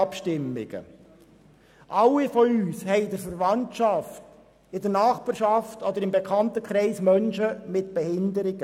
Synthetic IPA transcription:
ɑpʃtɪmːɪ̰ɡ̥ə̰ | ʔɑlifɔyːshɛɪdəɾfəɾvɑntʃɑft | ɪdəɾnɑːχbɑːɾʃɑftɔd̪əɾɪmbɛkʰɑntəkʰʁɛɪsmœnʃəmɪtb̥ɛhɪndəɾɪɡə

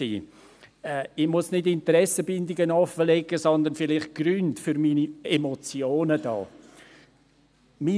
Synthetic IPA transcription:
iː | ɛɪmʊsnɪdɪntəɾɛsəbɪndɪɡənɑfəlɛɡəsɔnd̪ənfɪlɪχt̚ɡ̥ɾyntfʏɾminiɛmot͡sjoːnəd̥ɑ̰ː | mi

